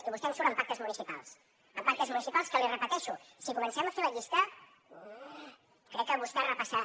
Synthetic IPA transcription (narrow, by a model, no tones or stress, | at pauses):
iβust̪ɛmsuɾəmpak̚t̪əzmunisipa̰lˠs | əmpak̚t̪əzmunisipalˠskəlirəpət̪ɛʃusikumənsɛmafeɾləʎist̪ə | kɾɛkːəβust̪ɛrəpasa